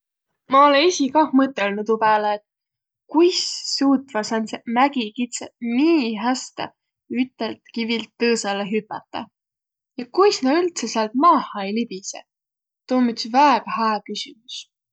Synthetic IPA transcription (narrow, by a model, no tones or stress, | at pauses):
mɑoleisʲikɑhmɤt̪ːˑelnut̪ubæːleːt̪ | kujsːuːt̪ːˑvɑsɑnsemæɡ̥ikit̪seniːɦæst̪ɑ̰ | yt̪ːˑelt̪kivilt̪ːɤːsɑleɦypːˑɑt̪ːˑɑ̰ | jɑkujsnɑylt̪sesɑlt̪mɑːhɑjlibise | t̪oːmyt̪svæeɡ̥ɑhæːkysimus